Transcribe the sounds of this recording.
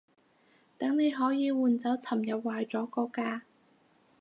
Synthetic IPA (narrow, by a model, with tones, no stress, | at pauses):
t̪ɐ˨˥ŋne˨˧jɦɔː˨˥jiː˨˧wuː˨˩nt͡sɐ˨˥wt͡sʰɐ˨˩mjɐ˨p̚waː˨jt͡sɔː˨˥kɔː˧kaː˧